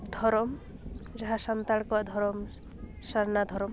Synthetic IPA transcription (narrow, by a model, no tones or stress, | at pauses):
d̪ʱɔɾɔmd͡ʒaɦasɔnt̪aɭkɔad̪ʱɔɾɔm | saɾnad̪ʱɔɾɔm